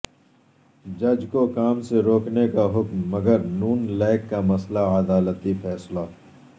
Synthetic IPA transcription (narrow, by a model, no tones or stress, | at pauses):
d͡ʒɐd͡ʒkokaːmseɾoːknekaɦʊkmːɐɡəɾnuːnlɛːkːamɐslaəd̪aːlət̪ifɛːslaː